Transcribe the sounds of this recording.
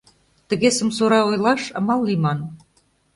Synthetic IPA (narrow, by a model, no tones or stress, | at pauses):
t̪ə̆ɣesə̆msoɾɑojlɑʃɑmɑlːimɑn